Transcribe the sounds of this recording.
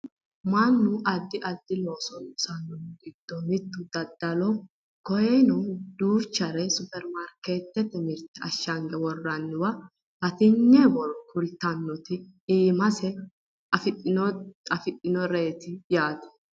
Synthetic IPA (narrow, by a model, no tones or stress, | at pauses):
mɐnːʊʔɐd̪ːɪʔɐd̪ːɪlo̞ːsɔnsɐnːɔnɡɪd̪̥ːɔmɪt̪ːʊd̪̥ɐd̪ːɐlɔ | kɔjɛnɔd̪uːɾt͡ʃːɐɾɛsʊpɛɾmaɾkeːt̪ːɛt̪ːɛmɪɾt̪ːɛɐʃːɐŋɡɛwɔrːɐnːɪwɐ | b̥ɐt̪ɪɲːɛbɔɾkʊlt̪ɐnːɔt̪ɪ | iːmɐsɛ | ɐfʼɪɐfɪt̪ʼːɪnɔɾeːt̪ɪjaːt̪ɛ̥